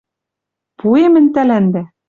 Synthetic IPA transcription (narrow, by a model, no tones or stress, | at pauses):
puemɘ̆nʲt̪ælænd̪æ